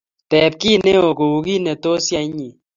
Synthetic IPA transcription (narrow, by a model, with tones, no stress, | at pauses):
tɛ˨p̚ki˦ne˦o˨ko˨u˨ɡi˦nɛ˨t̪o˦sja˦ɲi˨